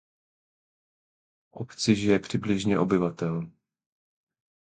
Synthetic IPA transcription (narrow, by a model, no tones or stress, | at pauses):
ʔopt͡sɪʒɪjɛpr̝̥ɪblɪʒɲɛʔo̞bɪvat̪ɛl